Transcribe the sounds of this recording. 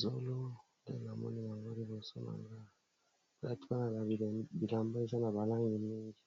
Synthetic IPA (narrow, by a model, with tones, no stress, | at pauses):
zo˦lɔ˦ | dɛ̰˦˨a˨mɔ̰˦ni˦ma˨ŋɡo˦ɾi˦bo˨sɔ̰˦na̰˨ŋɡa˦˨ | la˦tu̥˦ka˦na˨ɡa˨i˨bi˨la˨mba˦i˦sa˦na˨βa˨la˦ŋɡi˨mi˦ŋɡi˨